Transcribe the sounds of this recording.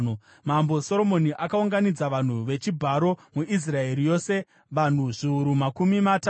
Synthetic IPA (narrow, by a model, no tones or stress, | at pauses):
mambo̞so̞ɾo̞mo̞niʔakauŋɡanid͡zaʋan̤uʋe̞t͡ʃibʱaɾo̞muʔis̬rae̞ɾijo̞se̞ | ʋan̤uʐiuɾumakumimata